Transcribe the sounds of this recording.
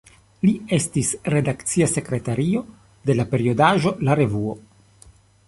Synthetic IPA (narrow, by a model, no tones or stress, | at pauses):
lie̞stisɾe̞dakt͡siase̞kɾe̞taɾio̞ | de̞lape̞ɾio̞daʒolaɾe̞vuo̞